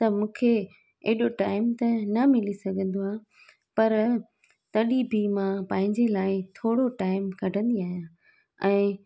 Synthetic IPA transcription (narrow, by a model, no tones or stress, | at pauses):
t̪ɐmũːkʰe | eːɗoʈaːɪmt̪ɐnɐmɪlisɐɡʱə̃nd̪oaː | pɐɾ | t̪ɐɗibʱimãpɐ̃ɦɪ̃ɲd͡ʑelaːɪt̪ʰoːɽoʈaːɪmkɐɖʱə̃nd̪iaːɦijãː | ɛ̃ː